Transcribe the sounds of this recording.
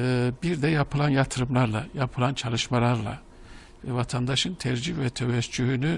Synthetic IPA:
ɛbiɾd̪ɛjapʰɯlˠanjat̪ʰɯɾɯmlˠaɾlˠajapʰɯlˠant͡ʃʰalˠɯʃmalˠaɾlˠa̰ | vɛvat̪ʰand̪aʃɯnt̪ʰɛɾd͡ʒivɛt̪ʰɛvɛst͡ʃyɦyny

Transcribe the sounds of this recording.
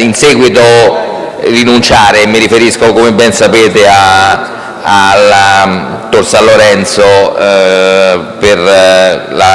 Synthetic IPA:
insɛːɡwit̪o | rinunt͡ʃaːɾemiɾifeɾiskokomebːɛnsapeːt̪ea | ala | t̪ːorsaloɾɛnt̪so | per | la

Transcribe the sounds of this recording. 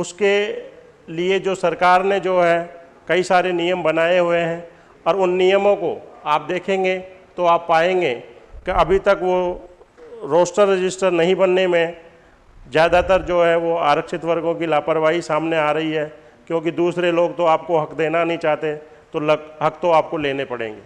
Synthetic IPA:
ʊske | lied͡ʒoːsɐɾkaːɾned͡ʒoːɦɛ | kɐisaːɾenijəmbɐnaːeɦʊeɦɛ̃ | ɔːɾʊnːijəmõkoaːp̚d̪eːkʰẽːŋɡet̪oaːpːaːẽːŋɡeːkeɐbʱit̪ɐkʋo | ɾoːsʈəɾːɪd͡ʒɪsʈəɾnɐɦĩbɐnːemẽ | zjaːd̪at̪əɾd͡ʒoːɦɛʋoaːɾəkʃɪt̪ʋɐɾɡõkilaːpəɾʋaːisaːmneaːɾɐɦiɦɛː | kjõːkid̪uːsɾeloːɡ̚t̪oaːp̚koɦɐkd̪eːnanɐɦĩt͡ʃaːɦt̪e | t̪olɦɐk̚t̪oaːp̚koleːnepɐɽ̤ḛ̃ːŋɡeː

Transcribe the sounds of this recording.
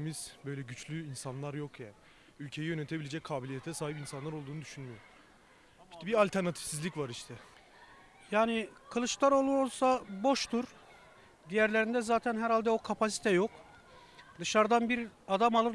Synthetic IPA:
miz̥bø̞jlʲɛɟyt͡ʃlʲyinsanlˠaɾjo̞kjaː | ylʲcʰe̞jijø̞net̪ʰebilʲeɛd͡ʒɛc̚kʰːaːbilʲijet̪ʰɛsaːɦipinsanlˠaɾo̞lˠd̪uːnud̪yʃynmyjoɾ | b̥t̪ːɛbialʲt̪ʰæɾnat̪ʰi̥fsizlʲicvaɾiʃt̪ʰɛ | jaːnɪkʰɯlˠɯʃlˠaɾo̞lˠuɾolˠsabo̞ʃt̪uɾ | d̪ijæɾlʲeɾind̪ɛzaːt̪ʰænɦæɾhalʲd̪ɛo̞kʰapʰasi̥t̪ʰɛjo̞k | d̪ɯʃaɾd̪anbiɾad̪amalˠɯɾ

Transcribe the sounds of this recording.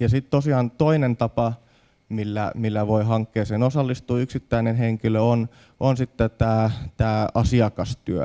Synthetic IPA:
jɑsit̪t̪osiɑːnt̪oinent̪ɑpɑ | milːæ̰milːæʋoiɦɑŋkːeːsenosɑlːist̪uːyksit̪ːæinenɦeŋkiløon | ʔonsit̪ːet̪æːt̪æːɑsiɑkɑst̪yø̰

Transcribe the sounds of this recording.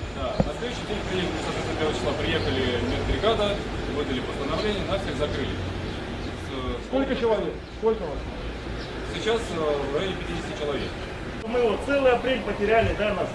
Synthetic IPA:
d̪anɐslʲed̪ʊɕːɪjt̪ʲeɪk̚ʲpɾʲɪjexənʲsɐt̪vʲet̪npʲeɾət͡ɕɪ̥sˠapɾʲɪje̞xəlʲɪmʲɪnd̪ɾʲɪɡad̪ə | vɨd̪əlʲɪpəst̪ənɐvlʲenʲɪjənat̪sʲəzɐkɾɨlʲɪ̰ | səsko̞lʲkət͡ɕɪlˠɐvʲeksko̞lʲkəvaso | sʲɪt͡ɕasvlʲɪpʲɪtʲidʲɪsʲtʲɪt͡ɕɪlˠɐvʲḛk | ʂt̪omɨvot̪t̪sɛlˠɨjɐpɾʲelʲpətʲɪɾʲælʲɪd̪anas

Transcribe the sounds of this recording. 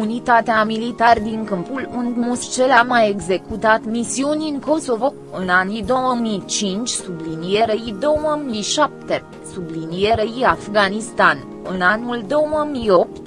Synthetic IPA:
unit̪at̪eamilit̪ard̪iŋkɨmpulund̪must͡ʃelamaje̞ɡze̞kut̪at̪misiunʲiŋko̞so̞vo̞ | ɨnanid̪o̞wəmit͡ʃint͡ʃʲsublinijeɾeid̪o̞əmijʃap̚t̪e̞ | sublinijeɾeiafɡanist̪an | ɨnanuld̪o̞wəmijo̞p̚t̪

